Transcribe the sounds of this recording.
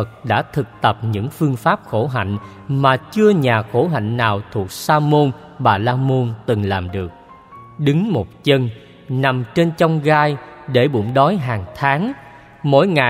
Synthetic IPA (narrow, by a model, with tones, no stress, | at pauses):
ə˨˩k̚ɗa̰ː˧˥t̪ʰɨ˨˩k̚t̪ə˨˩p̚ɲɨ̰˧˥ŋfɨ˧əŋfaː˦˥p̚xo˧˩ɦa̰˧˨jŋ̟ | maː˨˩t͡ɕɨ˧əɲaː˨˩xo˧˩ɦa̰˧˨jŋ̟ːaː˨˩wt̪ʰu˨˩ək̚saː˧mo˧n | ɓaː˨˩laː˧mo˧nt̪ɨ˨˩ŋlaː˨˩mɗɨ˨˩ək̚ | ɗɨ˨˦ŋmo˨˩t̚t͡ɕə˧n | na˨˩mt͡ɕe˧nt͡ɕɔ˧wŋ͡mɣaː˧jɗe˧˩ɓṵ˧˩ŋ͡mɗɔ˨˦jɦaː˨˩ŋt̪ʰaː˨˦ŋ | mo̰˧˥jŋa˨